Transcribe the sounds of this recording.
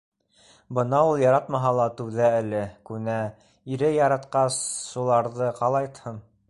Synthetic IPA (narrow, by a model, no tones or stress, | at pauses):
bɤnɑulˠjɑɾɑt̪mɑɦɑlˠɑt̪ʉwðæælɘkʉnæ | iɾɘjɑɾɑt̪qɑsʃulˠɑɾðɤqɑlˠɑjt̪hɤɴ